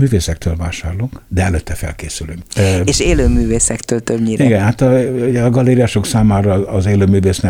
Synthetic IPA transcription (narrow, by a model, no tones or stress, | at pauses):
myːveːsɛkt̪ʰøːlvaːʃaːrluŋkd̪ɛɛløt̪ːɛfɛ̰lkeːsylyŋkːeʃeːløːmyːveːsɛkt̪øːlt̪øbɲiɾiɡɛnhat̪ɒuɟɛɒɡɒleːɾiaʃoksaːmaːɾɒːzeːløːmyːveːsnɛ